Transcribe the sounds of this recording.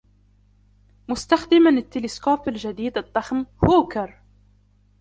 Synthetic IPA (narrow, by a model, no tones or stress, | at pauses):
mʊst̪axd̪ɪmanɪt̪ːɪlɪskoːfɪlʒad̪iːd̪ɨd̪ˤːɑxmhuːkɑɾˤ